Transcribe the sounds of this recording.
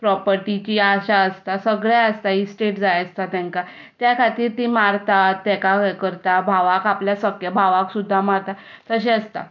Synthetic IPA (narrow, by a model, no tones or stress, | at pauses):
pɾɔpəɾʈit͡ɕiːaɕaəst̪asəɡɭjaəst̪aisʈeʈd͡zajəst̪at̪ɛ̃ŋka | t̪jakʰat̪iːɾt̪imaɾt̪at̪ːɛkakəɾt̪abʱaʋakapljasəkjəbʱaʋaksud̪ʱːamaɾt̪at̪əɕ̬eəst̪a̰